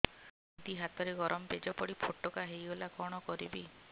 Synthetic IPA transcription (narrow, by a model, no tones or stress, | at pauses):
d̪iɦat̪ɔɾeɡɔɾʔɔmɔped͡ʒɔpɔɽipʰoʈɔkaɦejolakɔɽ̃ɔkɔɾibi